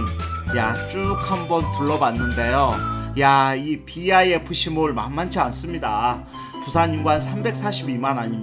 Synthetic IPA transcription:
njat͡ɕ͈uk̚hambʌntɯɭːʌbanːɯnde̞jojaipiaie̞pɯɕʰimoɭmanmant͡ɕʰians͈ɯmɲida | pusʰaɲimɡwansʰambe̞k̚s͈ʰaɕʰibimanaɲi

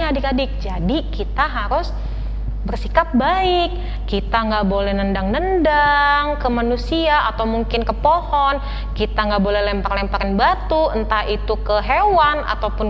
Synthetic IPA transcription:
dɪkadɪk̚d͡ʒadikit̪aɦaɾʊs | bərsikap̚baɪkː | it̪aŋɡaʔbolɛhnəndaŋnəndaŋkəmanusiaːt̪awmuŋkɪnkəpohɔn | kit̪aŋɡaʔbolɛlɛmpaklɛmpakanbat̪uənt̪aʔit̪ukəɦewana̰t̪awpʊn

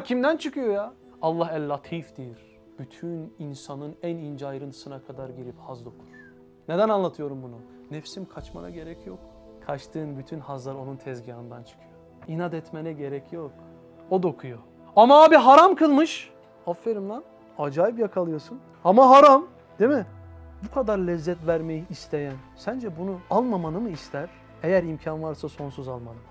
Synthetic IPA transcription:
cʰimd̪ænt͡ʃʰɯkʰɯjo̞jaː | lˠːaɦælʲːat̪ʰifd̪̥ejiɾ | b̥yt̪ʰyninsanɯnænind͡ʒajɾɯnʰɯ̥sɯnakʰad̪aɾɟiɾiphazd̪o̞kʰu̥nu̥ | ne̞d̪ænanlˠat̪ʰɯjo̞ɾumbunu | nɛfsimkʰat͡ʃma̰na̰ɟe̞ɾɛcʰjok | kʰat͡ʃt̪ʰɯːnbyt̪ʰynhazlˠaɾo̞nunt̪ʰɛzɟanɯnd̪ant͡ʃʰɯ̥kʰɯjo | inad̪ɛt̪menɛɟe̞ɾɛcʰjok | od̪o̞kʰujo | amaaːbiɦaɾamkʰɯlˠmɯʃ | afːeɾɯmd̪an | ad͡ʒaːjip̬jakʰalˠɯjo̞sun | amaɦaɾam | d̪emi | bukʰad̪aɾlʲɛzːɛt̪væɾmejiːst̪ʰe̞jænsænd͡ʒɛbunualˠmamanɯmɯist̪ʰæɾ̥ | ejæɾimcʰanvaɾsaso̞nsuzalˠmanɯm

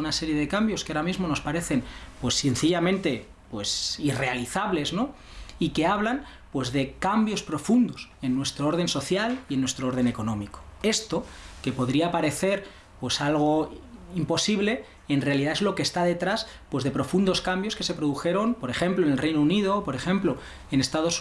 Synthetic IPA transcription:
unase̞ɾje̞ðe̞kambjoskeaɾamizmo̞no̞spaɾe̞θe̞npwe̞sːin̟θiʎamẽnt̪e̞ | pwe̞sire̞aliθaβ̞le̞zno̞ | ike̞aβlan | pwe̞zðe̞kambjo̞spɾo̞fund̪o̞se̞nːwe̞st̪ɾoo̞ɾð̞e̞nso̞θjalie̞nːwe̞st̪ɾoo̞ɾð̞e̞ne̞ko̞nõ̞miko̥e̞st̪o̞ke̞po̞ðɾiapaɾe̞θe̞ɾ | pwe̞salɣ̞oimpo̞siβle̞ | enre̞aliðaezlo̞kest̪aðe̞t̪ɾas | pwe̞zðe̞pɾo̞fund̪o̞skambjo̞ske̞se̞pɾo̞ðuxe̞ɾo̞npo̞ɾe̞xe̞mploenelrejnounið̞o̞po̞ɾe̞xẽ̞mplo̞ | ene̞st̪aðo̞s

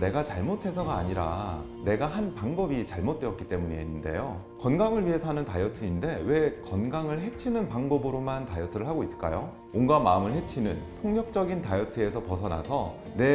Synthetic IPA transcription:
ne̞ɡat͡ɕaɭmotʰe̞s̬ʰʌɡaːɲiɾa̰ | ne̞ɡaɦanpaŋbʌbit͡ɕaɭmot̚t͈weʌt̚k͈it͈e̞muɲiɦenːnde̞̰jo | kʌnɡaŋɯɭɥiɦe̞sʰʌɦanɯntajʌtʰɯinde̞we̞kʌnɡaŋɯɭɦe̞t͡ɕʰinɯnpaŋbʌbɯɾomantajʌtʰɯɾɯɭɦaɡois͈ɯ̥ɭk͈a̰jo | onɡamaɯmɯɭhe̞t͡ɕʰinɯntʰoŋɲʌk̚t͡ɕ͈ʌɡintajʌtʰɯe̞sʰʌpʌsʰʌna̰sʰʌ | ne̞

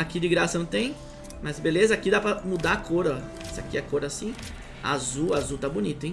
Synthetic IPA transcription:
akid͡ʒɪɡɾasɐnɐ̃t̪ẽj̃ | mɐzbelezɐakid̪apɾɐmud̪akʰoɾɐ | sɪa̰kiɛkoɾasĩ | a̰zuazut̪abʊnit̪ʊẽj̃

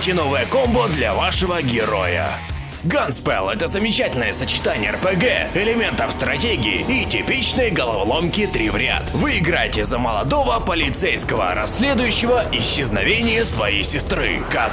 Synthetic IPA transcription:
tʲɪnovəjəkombəd̪lʲɐvaʂɨvəɡʲɪɾo̞̰jə̰ | ɡanspɛ̰lˠɛt̪əzəmʲɪt͡ɕætʲɪlʲnəjəsət͡ɕɪ̥t̪anʲɪjəɛrpɛɡɛ̰ɪlʲɪmʲe̞nt̪əfst̪ɾɐtʲeɡʲɪɪ̰ːtʲɪpʲit͡ɕnəjɡəlˠɐvlˠomkʲɪt̪ɾʲivɾʲɪa̰t̪vɨɪɡɾajtʲɪzəməlˠɐd̪ovəpəlʲɪt̪sejskəvə̰ɾɐsʲːlʲed̪ʊjʉɕːɪvəɪɕːɪznɐvʲenʲɪjəsvɐijsʲɪst̪ɾɨ̰kak

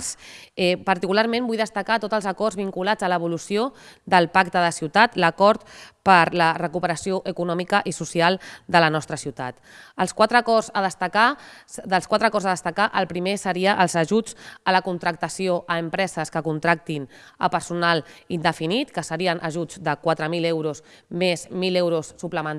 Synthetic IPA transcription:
sɛpəɾt̪ikulaɾmẽmbujðəst̪əkat̪ot̪əlˠzəkɔrzβiŋkulad͡zələβ̞ulusiod̪əlˠpakt̪əðəsiwt̪at̪ləkɔɾt̪pəɾlərəkupəɾəsioʔəkunɔmikəʔisusialˠd̪ələnɔst̪ɾəsiwt̪a̰t̪ | əlˠskwat̪ɾəkɔzəðəst̪əkad̪əlˠskwat̪ɾəkɔrzəðəst̪əkaʔəlˠpɾimesəɾiəʔəlˠzəʒud͡zələkunt̪ɾək̚t̪əsioʔəːmpɾɛzəskəkunt̪ɾak̚t̪in | əpəɾsunalˠind̪əfinit̪kəsəɾiənʔəʒud͡zd̪əkwat̪ɾəmilewɾuz | mezmilewɾusːupləmən

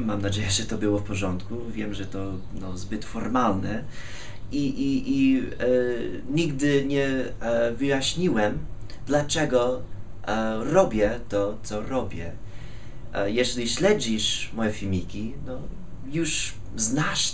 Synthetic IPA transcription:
mamnad͡ʑejɛʐɛt̪ɔbɘwɔfpɔʐɔnt̪kuvʲjɛmʐɛt̪ɔ | nɔzbɘt̪fɔɾmalnɛ | iʔiʔi | ɲiɡd̪ɘɲɛ | vɘjaɕɲiwɛm | d̪lat͡ʂɛɡɔ | ɾɔbʲjɛt̪ɔt̪sɔɾɔbʲjɛ | jɛʑɛlʲiɕlɛd͡ʑiʂmɔjɛfʲimʲikʲinɔ | juʂ | znaʂ

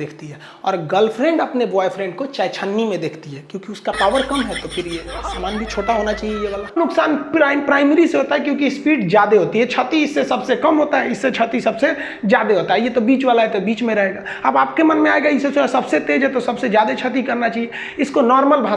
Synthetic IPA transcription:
eːkʰt̪iɦɛː | ɔːɾɡɐlpʰɾẽːɳɖɐpnebɔːepʰɾẽːɳɖkot͡ʃajt͡ʃʰənːimẽd̪eːkʰt̪iɦɛkjõːkiʊskapaːʋəɾkɐmɦɛt̪opʰɪɾjesaːmaːnbʱit͡ʃʰoːʈaɦonat͡ʃaːɦiejeʋaːlanʊksaːnpɾaɪpɾaːɪmeɾiseɦot̪aɦɛkjõːkispiːɖzjaːd̪eɦoːt̪iɦɛt͡ʃʰət̪iɪsːesɐbsekɐmɦoːt̪aɦɛɪsːet͡ʃʰət̪isɐbse | zjaːd̪eɦoːt̪aɦɛjet̪obiːt͡ʃʋaːlaɦɛt̪obiːt͡ʃmẽɾɐɦeɡa | ɐbaːp̚kemɐnmẽaːeɡaɪsːesʊɾasɐbset̪eːd͡ʒɦɛt̪osɐbsed͡ʒjaːd̪et͡ʃʰət̪ikɐɾnat͡ʃaːɦie | ɪskonɔːɾməlbʱa

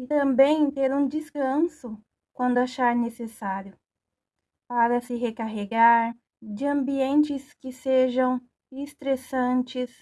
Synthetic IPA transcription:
ɪt̪ɐ̃mbẽj̃t̪eɾũd͡ʒiskɐ̃sʊ | kwɐ̃nd̪ʊaʃaɾnesesaɾjʊ | paɾɐsɪɦekaɦeɡaɾ | d͡ʒɪɐ̃mbiẽnt͡ʃɪskɪseʒɐ̃w̃ | est̪ɾesɐ̃nt͡ʃɪs

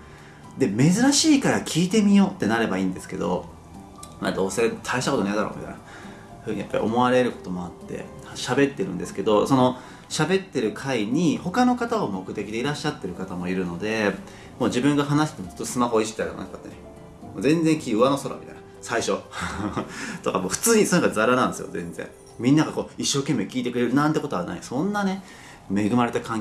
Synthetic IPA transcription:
d̪e̞me̞zɨɾaɕiːkaɾakʲʰiːt̪e̞mʲijo̞ːt̪ːe̞naɾe̞baiːnd̪e̞sɨ̥ke̞d̪o̞̰ | mad̪o̞ːse̞t̪ʰaeɕit̪akotoned̪aɾo̰ːmʲʔḭt̪a̰ḭna | ɸɯ̟ːɲ̟ija̰pːaɾʲḭʔo̞̰mo̞aɾe̞ɾɯ̟ko̞t̪o̞mo̞at̪ːe̞̰ | ɕabe̞t̪ːe̞ɾɯ̟̃nd̪e̞sɨ̥ke̞d̪o̞so̞no̞ | ɕabe̞t̪ːe̞ɾɯ̟kʰaiɲ̟iho̞kano̞kat̪aomo̞kɯ̟t̪e̞kʲid̪e̞iɾaɕːat̪ːe̞ɾɯ̟kat̪amo̞iɾɯ̟no̞d̪e̞ | mo̞ːd͡ʑibɯ̟̃ŋɡaɦanasi̥t̪emoso̥t̪ːsɨmaɦo̞ːii̥it̪aieo̰a̰kat̪ːene | moːzẽ̞nd͡zẽ̞ŋkʲiɯ̟βano̞soɾa̰mit̪ajn̥a | saiɕo̞ | t̪o̞kamo̞ːɸɯ̟̥t͡sɨːɲ̟isonakazaɾanãnd̪esɨjozẽ̞̰nd͡zḛ̃ŋ | mʲĩnːaɡako̞ːiɕːo̞ːke̞mːe̞kʲiːt̪ekɯ̟ɾe̞ɾɯ̟nãnt̪e̞ko̞t̪oana̰isõ̞nːane̞ | me̞ɡɯ̟maɾe̞t̪akãŋ

